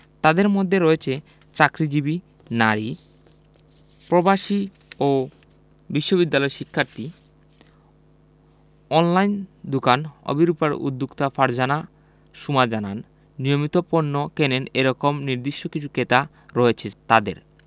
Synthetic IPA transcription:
t̪ad̪eɾmod̪ʱːeɾɔet͡ɕʰe | t͡ɕakɾid͡ʑibi | naɾi | pɾobaʃi | o | biʃːobid̪ːalɔeʃikʰːaɾt̪i | ɔnlajnd̪ukanɔ̰biɾupaɾṵd̪ːukt̪afaɾd͡ʑana | ʃumad͡ʑananː | ijomit̪oponːokeneneɾɔkomniɾd̪iʃːokit͡ɕʰuket̪a | ɾɔet͡ɕʰet̪ad̪ḛɾ

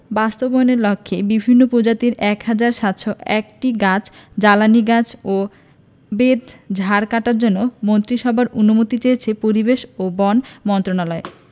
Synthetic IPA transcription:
bast̪obɔjoneɾlɔkʰːebibʱinːopɾod͡ʑat̪iɾɛkhad͡ʑaɾʃat̪ʃoʔɛk̚ʈiɡat͡ɕd͡ʑalaniɡat͡ɕo | bed̪d͡ʑʱaɾkaʈaɾd͡ʑonːomont̪ɾiʃɔbʱaɾunomot̪it͡ɕejet͡ɕʰepoɾibeʃobɔnmɔnt̪ɾonalɔe

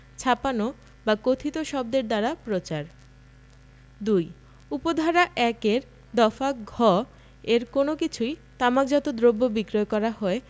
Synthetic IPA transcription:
t͡ɕʰapano | bakot̪ʰit̪oʃɔb̚d̪eɾd̪aɾapɾot͡ɕaɾ | d̪uj | upod̪ʱaɾaʔɛkeɾ | d̪ɔfaɡʱɔ | eɾkonokit͡ɕʰujt̪amak̚d͡ʑɔt̪od̪ɾobːobikɾoekɔɾaɦɔe

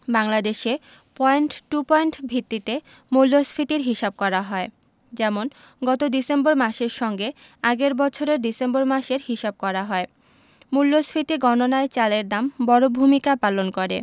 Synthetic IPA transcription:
baŋlad̪eʃe | pɔeɳʈʈːupɔeɳʈbʱit̪ːit̪e | mulːosfʰɾit̪iɾɦiʃab̚kɔɾaɦɔe | d͡ʑɛmon | ɡɔt̪odisemboɾmaʃeɾʃɔŋɡe | aɡeɾbɔt͡ɕʰoɾeɾɖisemboɾmaʃeɾɦiʃab̚kɔɾaɦɔe | mulːosfɾit̪iɡɔnonaet͡ɕaleɾd̪ambɔɾobʱumikapalonkoɾḛ

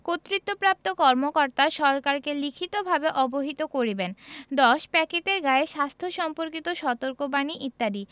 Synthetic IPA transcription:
kot̪ːɾit̪ːopɾap̚t̪okɔɾmokɔɾt̪aʃɔɾkaɾkelikʰit̪obʱabeʔɔboɦit̪okoɾibend̪ɔʃpɛkeʈeɾɡaeʃast̪ʰoʃɔmpoɾkit̪oʃɔt̪oɾkobaniʔit̪ːad̪i

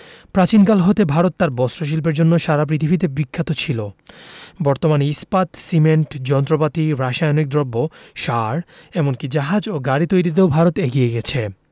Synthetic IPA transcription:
pɾat͡ɕinkalɦot̪ebʱaɾot̪ːaɾbɔsɾoʃ̬ilp̬eɾd͡ʑonːoʃaɾap̬ɾit̪ʰibʱit̪̬ebikʰːat̪ot͡ɕʰilo | bɔɾt̪omaneispat̪simeɳʈd͡ʑɔnt̪ɾopat̪iɾaʃajnoik̚d̪ɾobːoʃaɾɛmonkid͡ʑaɦad͡ʑoɡaɽit̪ojɾit̪̬eobʱaɾot̪eɡieɡɛt͡ɕʰe

